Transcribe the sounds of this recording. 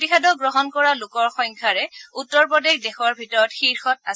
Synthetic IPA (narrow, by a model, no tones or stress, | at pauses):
tixadɔɡɹɔɦɔnkɔɹalʊkɔɹxɔŋkʰaɹɛutːɔɹpɔdexdɛxɔɹbʱitɔɹɔtxiɹxɔt̚as